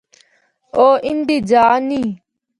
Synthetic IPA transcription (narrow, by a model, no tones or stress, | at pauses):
oːʔind̪id͡ʒaːni